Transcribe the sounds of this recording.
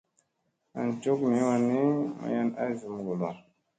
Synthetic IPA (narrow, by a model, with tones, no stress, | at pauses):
a̰˨n˨t͡ʃo˦kmi˨˦wa˨ni˦ma̰˨ja˦na˦zu˨m˨ɡo˨la˨ɾ